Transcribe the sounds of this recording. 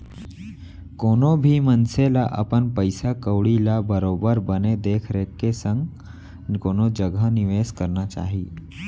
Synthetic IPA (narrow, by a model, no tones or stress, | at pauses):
koːnobʱimənselaʔə̰pənpəɪsakəwɽilabəɾoːbəɾbəned̪eːkʰɾekːesə̃ŋɡ | nkoːnod͡ʒəɡənɪʋeːskəɾnat͡ʃa̰ːɦiː